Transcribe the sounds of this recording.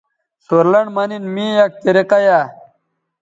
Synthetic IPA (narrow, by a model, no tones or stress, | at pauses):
suɾlɐɳmɐninmiːjɐk̚t̪iɾiqɐja